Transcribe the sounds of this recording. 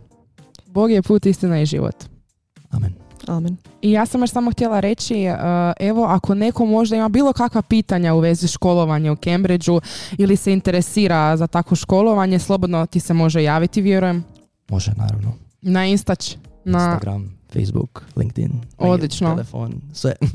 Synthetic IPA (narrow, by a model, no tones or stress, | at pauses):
bo̞ɡijepuːt̪ist̪inaiʒḭʋo̰t̪ | a̰menamenijaːsamjoʃsamoxt̪jelˠaɾe̞t͡ɕiəʔe̞ʋo̞ʔakʰo̞ne̞ko̞mo̞ʒd̪aimabiːlˠo̞kakʋapiːt̪aɲauʋe̞ziʃko̞lˠo̞ʋaɲeukembɾid͡ʒuilise̞int̪e̞ɾesiːɾazat̪akʋo̞ʃko̞lˠo̞ʋaɲeslˠo̞bod̪not̪ise̞mo̞ʒejaːʋit̪iʋje̞ɾuje̞m | moʒena̰ːɾa̰ʋno | nainst̪at͡ɕnaaɡɾa̰mfḛjsbṵklḭŋk̚t̪ḭno̞d̪lˠit͡ʃnoefo̰nsʋḛ